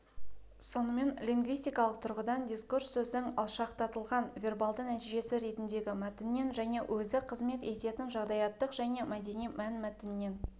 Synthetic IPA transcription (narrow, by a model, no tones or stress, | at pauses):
so̞nəme̞nlʲiŋɡvijst̪ijkɑlˠəq̚t̪ʰʊɾʁəd̪ɑnd̪ijskursːɵzd̪ɪŋɑ̰lˠʃɑqt̪ʰɑt̪əlˠʁɑnvʲe̞rbɑlˠd̪ənæt̪ijʒe̞sɪɾe̞t̪ɪnd̪e̞ɡʲɪmæt̪ɪnːe̞nʒæne̞wʔɵzɪqʰəzme̞t̪e̞t̪e̞t̪ɪnʒɑʁd̪ɑjɑt̪ːəqʒ̥æne̞mæd̪e̞nijmænmæt̪ɪnːe̞n